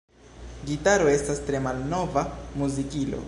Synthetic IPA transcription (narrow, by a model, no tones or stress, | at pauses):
ɡitaɾo̞e̞stastɾe̞malno̞vamuzikilo̰